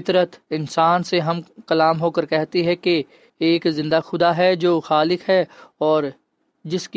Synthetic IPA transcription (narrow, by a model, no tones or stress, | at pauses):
t̪ɾət̪ɪ̃nsaːnseɦɐmkɐlaːmɦoːkəɾkɛɦt̪eɦɛ̃keː | kzɪ̃nd̪axʊd̪aɦɛd͡ʒoːxaːlɪkɦɛɔːɾ | d͡ʒɪsk